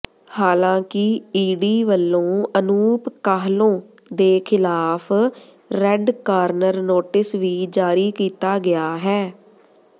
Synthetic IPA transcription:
haːlãːkɪiːɖiːʋəlːõːənuːpkaːɦlõː | d̪eːkʰɪlaːpʰ | ɾɛɖkaːɾnəɾnoːʈɪsʋiːd͡ʒaːɾiːkiːt̪aːɡɪjaːɦɛː

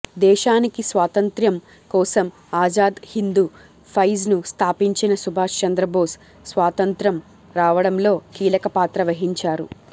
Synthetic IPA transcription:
d̪ɛːʃaːnikisʋaːt̪ɐnt̪ɾjɐm | kɔːsɐm | aːd͡ʒaːd̪hind̪uː | pʰɐjznust̪ʰaːpiɲt͡ʃinɐsubʱaːʂt͡ʃɐnd̪ɾɐboːs | sʋaːt̪ɐnt̪ɾɐm | ɾaːʋɐɽɐmlo̞ːkiːlɐkɐpaːt̪ɾɐʋɐɦiɲt͡ʃaːɾṵ

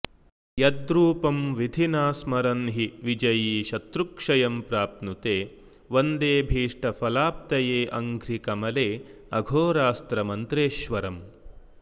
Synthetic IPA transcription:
jɐd̪ɾuːpɐmʋid̪ʱinaːsmɐɾɐnɦiʋid͡ʒɐjiːʃɐt̪ɾukʂɐjɐmpɾaːp̚nut̪eː | ʋɐnd̪eːbʱiːʂʈɐpʰɐlaːp̚t̪ɐjeːʔɐŋɡʱɾikɐmɐleː | ɐɡʱoːɾaːst̪ɾɐmɐnt̪ɾeːʃʋɐɾɐm

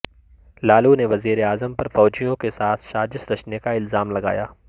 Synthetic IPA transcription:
laːluneʋɐziːɾeaːzəmpɐɾfɔːd͡ʒijõkesaːt̪ʰʃaːd͡ʒɪsɾɐt͡ʃnekaɪlzaːmlɐɡa̰ːjaː

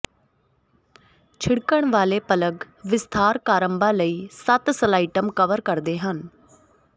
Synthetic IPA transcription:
t͡ʃʰɪɽkəɳ̃ʋaːleːpələɡ | ʋɪst̪ʰaːɾkaːɾəmbãːləiːsət̪səlaːɪʈəmkəʋəɾkəɾd̪eːɦən

